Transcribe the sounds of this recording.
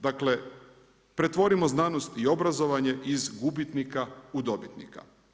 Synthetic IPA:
d̪akle̞ | pɾe̞t̪ʋo̞ɾimo̞znaːnost̪io̞bɾazo̞ʋaɲe̞ʔizɡubit̪nikaud̪o̞bit̪nḭka̰

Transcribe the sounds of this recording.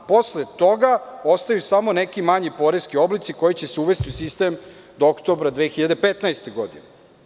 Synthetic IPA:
po̞slet̪o̞ɡao̞st̪ajusamo̞nekimaɲipo̞ɾeskio̞blit̪siko̞jit͡ɕe̞seuʋe̞st̪iusist̪e̞m | d̪ookt̪obɾad̪ʋeːxiʎad̪epet̪naest̪eɡo̞d̪ine

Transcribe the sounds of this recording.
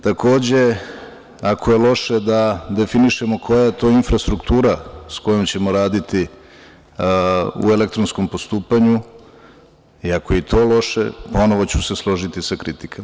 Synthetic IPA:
t̪akʰo̞ːd͡ʑe̞ | akʰoje̞lo̞ʃe̞d̪ad̪e̞finiʃe̞mo̞kʰo̞jaje̞t̪o̞ːinfɾast̪ɾukt̪uːɾasko̞jomt͡ɕe̞mo̞ɾaːd̪it̪i | ṵe̞lek̚t̪ɾonsko̞mpo̞st̪uːpaɲu | iakoje̞it̪ʰo̞ːlo̞ʃḛpo̞no̞ʋo̞t͡ɕuse̞slˠo̞ʒit̪isakɾit̪ikʰa

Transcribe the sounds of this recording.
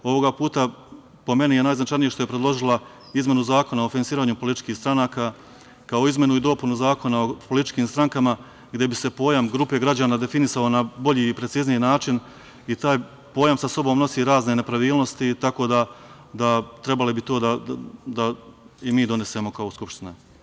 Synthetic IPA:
o̞ʋo̞ɡapuːt̪a | po̞me̞nije̞naːjznat͡ʃajnije̞ʃt̪o̞jepɾed̪lˠo̞ʒilˠa | izmʲje̞nuzaːko̞naofinansiːɾaːɲupo̞lit̪i̥t͡ʃkiːhst̪ɾanaːkaː | kao̞izme̞nuid̪o̞punuzaːko̞nao̞po̞lit̪i̥t͡ʃkiːmst̪ɾaŋkama | ɡd̪je̞bise̞po̞ːjamɡɾuːpe̞ɡɾad͡ʑaːnad̪e̞finisao̞nabo̞ʎiːpɾet̪siːznijinaːt͡ʃin | it̪aːj | po̞ːjamsaso̞bo̞ːmno̞siːɾaːzne̞ne̞pɾaʋiːlˠno̞st̪it̪ako̞ːd̪a | d̪at̪ɾe̞balibit̪o̞ːd̪ad̪aimiːd̪o̞ne̞se̞mo̞kaoskupʃt̪ina

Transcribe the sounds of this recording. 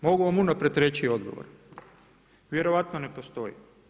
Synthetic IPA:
mo̞ɡuʋamunapɾet̪ɾet͡ɕio̞d̪ɡo̞̰ʋo̰ɾ | ʋje̞ɾoʋat̪none̞po̞st̪o̞jḭ

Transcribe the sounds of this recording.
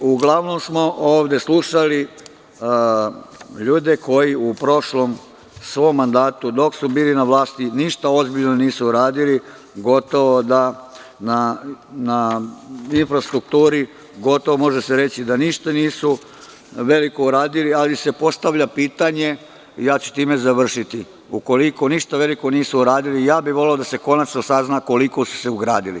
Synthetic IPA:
uɡlˠaʋno̞msmo̞ʔoːʋd̪e̞sluʃali | ʎuːd̪e̞kʰo̞jiupɾo̞ʃlom | sʋo̞mːand̪aːt̪ud̪o̞ksubiːlinaʋlˠaːst̪iniʃt̪ao̞zbiʎnoniːsuuɾaːd̪ili | ɡo̞t̪o̞ʋod̪a | nana | infɾast̪ɾuk̚t̪uːɾi | ɡo̞t̪oʋomo̞ʒeseɾe̞t͡ɕid̪aniʃt̪aniːsu | ʋe̞likouɾaːd̪ilialise̞po̞st̪aʋʎapiːt̪aɲe̞ | jaːt͡ɕu̥t̪iːme̞zaʋr̩ʃit̪i | uko̞liko̞niʃt̪aʋe̞liko̞niːsuuɾaːd̪ilijaːbiʋo̞leod̪ase̞ko̞nat͡ʃnosaznako̞likosu̥se̞uɡɾa̰ːd̪ilḭ

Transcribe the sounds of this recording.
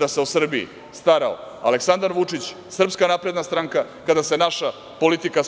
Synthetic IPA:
d̪aseusr̩biḭ | st̪aɾao̰ | a̰leksand̪aɾʋut͡ʂit͡ɕ | sr̩pskanapɾe̞d̪nast̪ɾaŋka | kad̪ase̞naʃa | po̞lit̪ika

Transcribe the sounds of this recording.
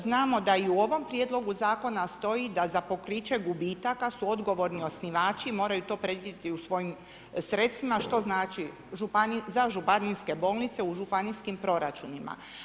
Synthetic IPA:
znaːmo̞d̪aiuo̞ʋo̞mpɾje̞d̪lˠo̞ɡuzaːko̞nast̪o̞id̪azapo̞kɾit͡ʃe̞ɡubiːt̪akasuo̞d̪ɡo̞ʋo̞ɾnio̞sniʋaːt͡ʃimo̞ːɾajut̪o̞ːpɾe̞d̪jiet̪iusʋo̞jim | sɾe̞t̪st̪ʋimaʃt̪o̞znaːt͡ʃi | ʒupanizaʒupaniske̞bo̞ːlˠnit̪se̞uʒupaniskimpɾo̞ɾat͡ʃunima̰

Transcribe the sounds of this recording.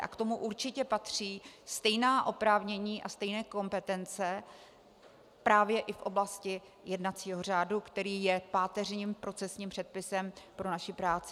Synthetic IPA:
ʔa̰kt̪o̞muʔuɾt͡ʃɪcɛpat̪r̝̥iːst̪ɛjnaːʔo̞pɾaːvɲɛɲiːʔast̪ɛjnɛːko̞mpɛt̪ɛnt͡sɛ | pɾaːvjɛʔɪfʔo̞blascɪ | jɛdnat͡siːɦo̞r̝aːdukt̪ɛɾiːjɛpaːt̪ɛr̝ɲiːmpɾo̞t͡sɛsɲiːmpr̝̥ɛt̪̚pɪsɛmpɾo̞naʃɪpɾaːt͡sɪ

